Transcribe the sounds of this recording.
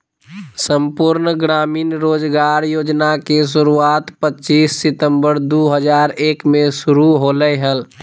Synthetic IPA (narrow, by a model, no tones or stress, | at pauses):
səmpʊɾnɡɾaːmiːnɾoːd͡ʒɡaːɾjoːd͡ʒnakes̬ʊɾuaːt̪pətːt͡ʃiːsːɪt̪ə̃mbəɾd̪oːɦəd͡ʒaːɾeːkmẽʃʊɾuɦoːləɦəl